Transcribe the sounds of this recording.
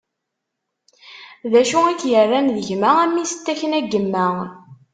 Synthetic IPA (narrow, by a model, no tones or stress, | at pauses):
ðæʃuækːjərˤːænðəʝmææmːisə̥t̪ːæçənæɡːəmːæ